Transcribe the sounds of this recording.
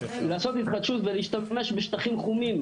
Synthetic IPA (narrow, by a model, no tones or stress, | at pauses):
laːsot̪hit̪χad̪ʃut̪veliːʃt̪ame̞ʃbeʃt̪aχimχumim